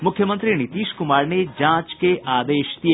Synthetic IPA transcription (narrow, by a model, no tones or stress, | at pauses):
mʊkʰjəmə̃nt̪ɾinɪt̪iːʃkʊmaːɾned͡ʒãːt͡ʃkeʔaːd̪eːʃt̪i